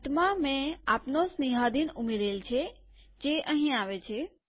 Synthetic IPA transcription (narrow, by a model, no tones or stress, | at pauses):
t̪mãmẽaːpnosniɦad̪inʊmeɾelt͡ʃʰe | d͡ʒeʔəɦĩaʋet͡ʃʰe